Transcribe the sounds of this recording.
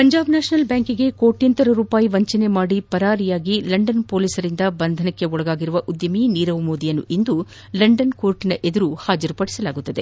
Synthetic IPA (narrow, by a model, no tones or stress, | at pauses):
pɐɲd͡ʒaːbnaːʃnɐlbjaːŋkiɡe̞ko̞ːʈːjɐnt̪ɐɾɐɾuːpaːjiʋɐɲt͡ʃɐne̞maːɽipɐɾaːɾijaːɡilɐɳɖɐnpo̞ːliːsɐɾind̪ɐbɐnd̪ʱɐnɐkːe̞ɔɭɐɡaːɡiɾuʋɐʔud̪jɐminiːɾɐʋmoːd̪ijɐnːuʔind̪u | lɐɳɖɐnko̞ːɾʈinɐʔe̞d̪ɐɾuhaːd͡ʒɐɾupɐɽisɐlaːɡut̪ːɐd̪e̞